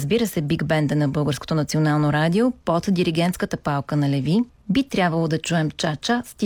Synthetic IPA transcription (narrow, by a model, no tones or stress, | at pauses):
zbiɾəsɛbiɡbɛnd̪ənɐbɤlˠɡəɾsko̥t̪onɐt̪sionalˠnoɾad̪ʲiopot̪d̪iɾiɡɛnt̪skət̪əpalˠkənɐlɛvi | bit̪ɾʲabvəlˠod̪ɐt͡ʃuɛmt͡ʃat͡ʃast̪i